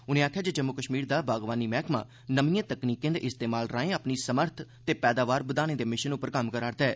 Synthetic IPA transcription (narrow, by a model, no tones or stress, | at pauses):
ʊnẽːaːkʰːjaːd͡ʒeːd͡ʒəmːʊkəʃmiːɾd̪aːbaːɡʋaːniːmɛːkʰmã̰ː | nəmĩːãːt̪əkniːkẽːnd̪ʔɪst̪eːmaːlɾaːẽːapniːsəməɾt̪ʰt̪eːpɛːd̪aːʋaːɾbəd̪aːnẽːd̪eːmɪʃənʊpəɾkəmkəɾaːɾt̪ɛː